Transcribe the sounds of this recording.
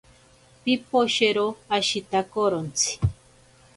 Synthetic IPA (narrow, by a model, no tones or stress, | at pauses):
pipoʃeɾoaʃit̪akoɾont͡sʰi̥